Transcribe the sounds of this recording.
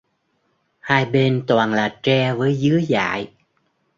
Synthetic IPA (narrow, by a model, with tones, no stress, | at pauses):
haː˧jɓe˧nt̪waː˨˩nlaː˨˩t͡ɕɛ˧vəː˨˦jzɨ˨˦əza̰ː˧˨j